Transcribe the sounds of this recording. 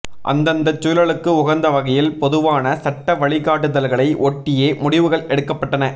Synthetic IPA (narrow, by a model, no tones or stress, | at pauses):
ʔɐ̰nd̪ɐnd̪ɐt͡ʃːuːlɐɭɯkːɯʊɣɐnd̪ɐʋɐɣɐjɪlpɔðɯʋaːnɐsɐʈːɐʋɐɭɪɣaːʈːɯðɐlɣɐɭɐɪʔɔʈːɪjeːmʊɽɪʋɯɣɐɭɛɽɯkːɐpːɐʈːɐnɐ